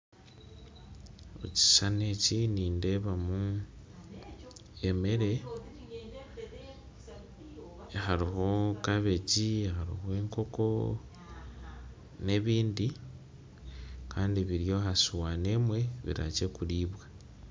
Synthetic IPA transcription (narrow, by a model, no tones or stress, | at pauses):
o̰ci̥sane̞ciniːnde̞βamu | eme̞ɾe̞ | xaɾihokaβe̞cihaɾḭhwe̞ːŋko̞ko̞ | ne̞βiːndi | kʰaːndiβiɾjo̞hasuwane̞mwe̞βḭɾa̰ce̞kuliːβwa